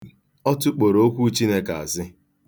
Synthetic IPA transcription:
ɔ˦tʊ˦k͡po˨ɾo˦o˦kʷu˦t͡ʃi˦ne˦ka̰˨a̰˨zɪ˦

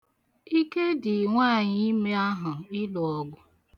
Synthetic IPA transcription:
i˦ke˦dɪ˨ŋʷaː˦˨ɲɪ˦i˦me˦a˦ɦʊ˨ɪ˦lɔ˨ɔ˦ɡʷʊ˦

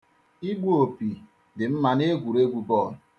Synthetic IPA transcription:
i˦ɡʷo˨pi˨ | dɪ˨m̩˦ma˨ne˦ɡʷu˨ɾe˦ɡʷu˨bɔ˦˨

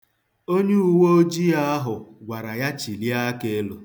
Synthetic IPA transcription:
o˦ɲe˦u˨wo˦o˦d͡ʒi˦a˦ɦʊ˨ɡʷa˨ɾa˨ja˦t͡ʃi˨li˦a˦ke˦lo˨

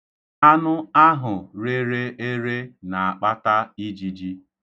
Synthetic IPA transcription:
a˦nʊ˦a˦ɦʊ˨ɾe˦ɾe˦e˦ɾe˦na˨a˨k͡pa˦ta˦i˦d͡ʒi˦d͡ʒi˦

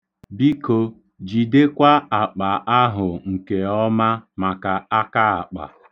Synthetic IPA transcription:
bi˦ko˨ | d͡ʒi˨de˦kʷa˦a˨k͡pa˨ʔa˦ɦʊ˨ŋ̩˨ke˨ɔ˦ma˦ma˨ka˨a˦ka˦a̰˨k͡pa̰˨

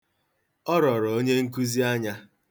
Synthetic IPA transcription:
ɔ˦ɾɔ˨ɾɔ˨o˦ɲe˦ŋ̩˦k̬u˦zi˦a˦ɲa˦

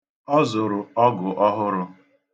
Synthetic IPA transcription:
ɔ˦zʊ˨ɾʊ˨ɔ˦ɡʊ˨ʔɔ˦ɦʊ˦ɾʊ˦

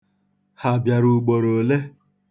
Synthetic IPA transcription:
ha˨bja˨ɾu˨ɡ͡bo˨ɾo˨le˦

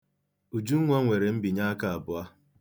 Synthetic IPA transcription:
u˨d͡ʒu˦ŋʷ˦ɔ˦ŋʷe˨ɾe˨m̩˦bi˨ɲa˦ka˨a˨bʊ˦˨a˦

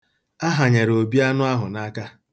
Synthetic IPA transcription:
a˦ɦa˨ɲe˨ɾo˨bi˦a˦nʊ˦a˦ɦʊ˨na˦ka˦

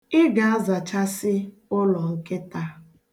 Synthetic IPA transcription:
ɪ˦ɡa˨a˦za˨t͡ʃa˦sɪ˦ | ʊ˦lɔ˨ŋ̩˨ke˦ta˦

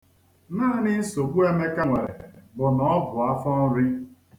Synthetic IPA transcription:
naː˦˨nɪ˦n̩˦so˨bu˦e˦me˦ka˦ŋʷe˨ɾḛ˨bʊ˨nɔ˨˦bʊ˨a˦fɔ˦n̩˦ɾi˦

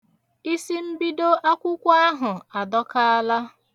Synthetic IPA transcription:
i˦si˦m̩˦bi˦do˦ʔa˦kʷʊ˦kʷa˦ɦʊ˨a˨dɔ˦ka˦a˦la˦

